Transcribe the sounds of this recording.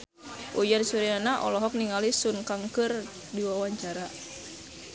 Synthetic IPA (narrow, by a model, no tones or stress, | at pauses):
ʔujansuɾianaʔɔ̰lɔɦɔk̚niŋalisunkaŋkɨr | diwawaɲt͡ʃaɾa